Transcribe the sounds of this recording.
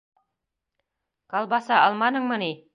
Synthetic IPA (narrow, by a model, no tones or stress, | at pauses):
qɑlˠbɑsɑɑlˠmɑnɤɴmɤni